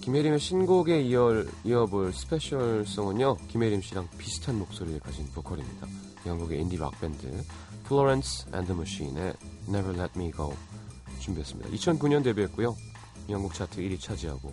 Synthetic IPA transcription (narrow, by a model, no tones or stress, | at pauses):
kimɦeɾimeɕʰinɡoɡe̞iʌiʌbɯɭsʰɯ̥pʰe̞ɕʰʌɭs͈ʌŋɯɲʌkimeɾimɕ͈ʰiɾaŋpisʰɯ̥tʰanmok̚s͈oɾiekaɕʰinpokʰʌɾimɲid̥a | jaŋɡuɡe̞indiba̰k̚p͈e̞ndɯ̰ | pʰɭoɾensʰɛ̰ndɯmuɕinḛnevʌɾlet̚miɡoot͡ɕumbiɦe̞s͈ɯmɲida̰ʔit͡ɕʰʌnkuɲʌnde̞biɦet̚k͈ujo | jaŋɡuk̚t͡ɕʰatʰɯiɾit͡ɕʰad͡ʑiɦa̰ɡo